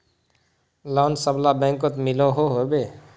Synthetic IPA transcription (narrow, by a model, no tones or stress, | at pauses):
lɔːnsəblabɛ̃ŋkot̪mɪloɦoɦobe